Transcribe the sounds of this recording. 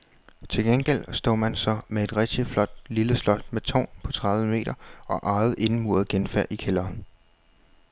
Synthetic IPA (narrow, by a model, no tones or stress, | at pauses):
t͡sʰe̝lɡ̥enɡ̥el̰sd̥o̰ːmænsɒ̽mee̝d̥ʁɛɡ̥̚d̥iflɒ̽d̥̚liləslɒ̽d̥̚met͡sʰɒ̰ːnpʰɒ̽t͡sʰʁɑ̈ðˠʋəme̝̰ːɾ̥ɐɒ̽ʔɑ̈ɪð̞̩ˠʔe̝nmuːɐð̩ˠɡ̥enfeɐ̰ʔikʰelɐːn